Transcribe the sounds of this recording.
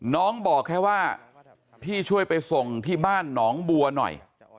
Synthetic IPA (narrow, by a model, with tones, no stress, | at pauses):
nɔː˦˥ŋbɔː˨˩kʰːɛː˦˥˩waː˥˩ | pʰiː˥˩t͡ɕʰu˥˩əjpa˧jso˧ŋt̪ʰiː˥˩baː˥˩nːɔː˦˥ŋbu˧ɐnɔ̰˨˩j